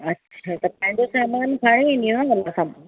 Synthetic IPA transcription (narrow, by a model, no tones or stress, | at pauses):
ɐtːɕʰaːt̪ɐpãɦɪ̃ɲd͡ʑosaːmaːnpʰaːɽ̃ẽẽnĩjõnaʋɐlasã